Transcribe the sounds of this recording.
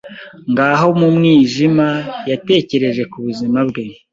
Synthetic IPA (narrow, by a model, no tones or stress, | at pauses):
ŋɡaːɦo̞mumŋiːʒimajate̞ːce̞ɾe̞ʒe̞kuβuzimabɡe̞